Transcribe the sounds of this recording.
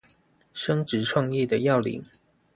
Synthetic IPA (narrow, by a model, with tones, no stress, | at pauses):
ʂə˥ŋʈ͡ʂɻ̩˨˥ʈ͡ʂʰwɑ˥˧ŋjɛ˥˩d̪ə˩jɑ˥˩ʊlḭ˨˧˦ŋ